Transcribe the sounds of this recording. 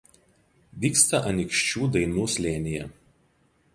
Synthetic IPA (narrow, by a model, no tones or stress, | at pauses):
ʋʲiːkst̪ɐʔɐnʲɪkʃʲt͡ʃʲuːd̪ɐɪnuːsʲlʲeːnʲɪjɛ̰